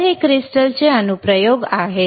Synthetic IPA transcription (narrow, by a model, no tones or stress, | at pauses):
ɦekɾisʈəlt͡ɕeənupɾəjoɡaɦe